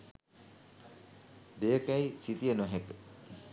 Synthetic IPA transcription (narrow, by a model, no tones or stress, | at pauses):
d̪ejəkæjsit̪ijənuɦekə